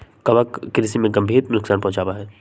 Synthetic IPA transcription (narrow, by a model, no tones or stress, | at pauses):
kɐʋəkːɾɪsimẽɡɐmbʱiːɾnʊksaːnpɐɦʊ̃t͡ʃaːbaɦɛː